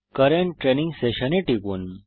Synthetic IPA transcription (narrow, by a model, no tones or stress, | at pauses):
kɐɾeɳʈɾenĩŋɡseɕɐneʈikun